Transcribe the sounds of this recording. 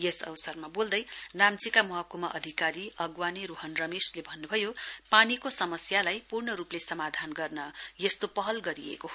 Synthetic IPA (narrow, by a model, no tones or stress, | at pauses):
jesʌ̰wsʌrmabold̪ʌjnamt͡sikamʌɦʌkumʌʔʌd̪ʱikaɾiʌɡwaniɾuɦʌnrʌmeslebʱʌnːubʱʌjopanikosʌmʌsjalajpurɳʌɾuplesʌmad̪ʱanɡʌrnʌjʌst̪opʌɦʌlɡʌɾiḛko